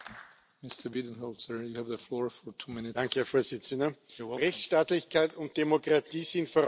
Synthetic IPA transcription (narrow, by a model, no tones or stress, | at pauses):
mɪstə˞bid̃n̩hɔlsə˞juhævðəflɔːɹfɔɹtʰumɪnɪd̥aŋkkəhɛɐfoːɐzɪt͡səndɐʁɛçsʃtaːtlɪçkʰaɪtʊnt̚d̥emokʁatiːsɪntfoɐ